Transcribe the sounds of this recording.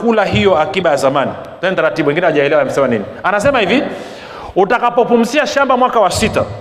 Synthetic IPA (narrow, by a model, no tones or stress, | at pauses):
kulaɦijɔakiɓajazamani | tɛnitaɾatibɓuwɛŋɡinɛwaʄaɛlɛwanam̩sɛmaninianasɛmahivi | utakapɔpum̩siaʃambamwakawasita̰